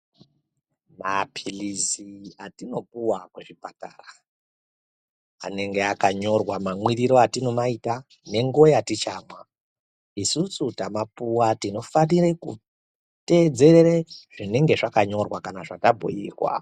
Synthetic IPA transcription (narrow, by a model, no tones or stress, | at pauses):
mapʰiliziatino̞puwakweʐipatara | a̰ne̞ŋɡe̞akaɲo̞rwamamwiriɾo̞atino̞maita | ne̞ŋɡuojatit͡ʃaːmwa | isusutamapuwatino̞fanire̞kṵ | te̞d͡ze̞rereʐ̥ine̞ŋɡe̞ʐakaɲo̞rwakanaʐatabʱo̰jḭːrwa̰